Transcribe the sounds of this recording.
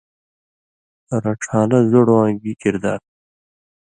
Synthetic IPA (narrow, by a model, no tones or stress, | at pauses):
ɐɾɐʈ͡ʂʰaːnɐzoɽwãːŋɡikiɾd̪a̰ːɾ